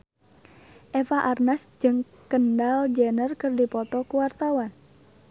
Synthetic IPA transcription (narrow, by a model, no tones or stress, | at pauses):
ʔefaʔarnasd͡ʒɨŋ | kəndald͡ʒənərkɨrdipɔt̪ɔkuwart̪awan